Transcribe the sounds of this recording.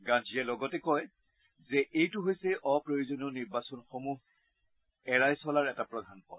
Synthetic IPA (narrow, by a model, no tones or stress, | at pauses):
ɡãd͡ʒiɛlɔɡɔtɛkɔj | zɛʔejtʊɦojsɛʔɔpɹojozoniɔniɹbasɔnxomuɦ | ɛɹajsɔlaɹɛtapɹɔdʱanpɔ̰